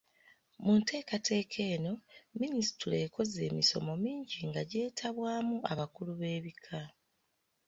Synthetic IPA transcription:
munte̞ːkatʰe̞ːkʰe̞ːno̞minisi̥tuleːko̞zeːmiso̞̰mo̞miːɲɟiŋɡaɟe̞ːtʰaβwaːmuaβakuluβe̞ːβikʰa

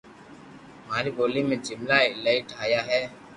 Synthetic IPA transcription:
maːɾiboːlimẽd͡ʒɪmlaɪlaiʈʰaːjaɦɛː

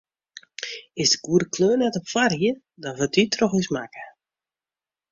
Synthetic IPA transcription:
ɪsdəɡ̥uəɾəkʰløːnɛtɔpfariə | dɔnvətitʰrɔxismakə̥

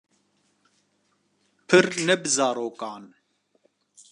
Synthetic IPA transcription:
pʰɨɾnɛbɨzaːɾoːkaːn

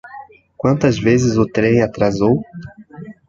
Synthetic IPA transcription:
kwɐ̃nt̪ɐzvezɪzʊt̪ɾẽj̃at̪ɾazow

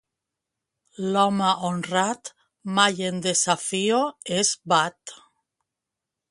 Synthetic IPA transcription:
lɔmaʔonrat̪ | majend̪esafioezbat̪

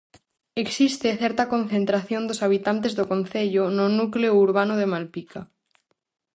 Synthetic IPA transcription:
eksist̪eθeɾt̪akõ̞nθẽnt̪ɾaθjond̪osaβ̞it̪ant̪ezðokõn̟θeʎononukleouɾβanoðemalpika

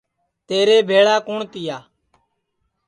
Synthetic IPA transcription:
t̪eːɾeːbʱeːɭaːkoːɳt̪ɪjaː

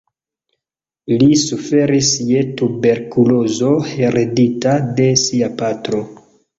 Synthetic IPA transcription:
lisufe̞ɾisje̞tube̞ɾkulo̞zo̞heɾeditade̞siapatɾo̞

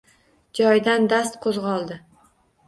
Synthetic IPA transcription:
d͡ʒɒjd̪and̪ast̪qʰozʁɒlˠd̪ɪ

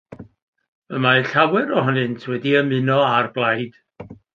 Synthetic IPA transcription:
əmajɬawɛɾɔɦɔnɨntʰwɛdiəmɨnɔarblˠajd̥

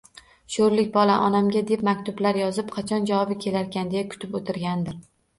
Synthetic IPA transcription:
ʃoɾlɪkʲbɒlaʔɒnamɡʲad̪epmakʲt̪ʰʊblaɾjɒzɪpqʰɑt͡ʃʰɒnd͡ʒavɒbɪkʲʰe̞laɾkʲand̪ejakʰʊ̥t̪ʰɪpot̪ʰɪɾɡʲand̪ɪɾ

